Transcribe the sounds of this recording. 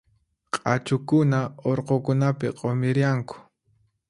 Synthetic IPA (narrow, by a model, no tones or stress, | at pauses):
qʼɑt͡ʃʊkʊnaoɾqokʊnapɪ̰qʼomɪɾjaŋkʊ̥